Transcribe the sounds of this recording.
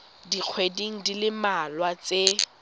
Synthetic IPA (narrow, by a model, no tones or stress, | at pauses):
diq͡χʰwediŋ̩dilɪmalwat͡se